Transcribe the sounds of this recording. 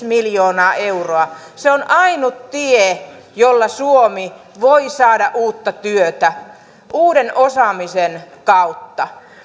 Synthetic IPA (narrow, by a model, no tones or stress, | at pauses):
miljoːnɑːʔeuroɑ | seonʔɑinut̪t̪ie | jolːɑsuomi | ʋoisɑːdɑ̰ʔʔuːt̪ːɑt̪yøt̪æ | ʔuːdenʔosɑmisenkɑut̪ːɑ